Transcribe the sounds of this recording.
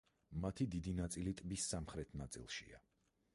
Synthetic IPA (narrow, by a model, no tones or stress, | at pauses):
mat̪ʰid̪id̪inat̪sʼilit̪ʼbisːamχɾɛt̪ʰnat̪sʼḭlˠʃḭa̰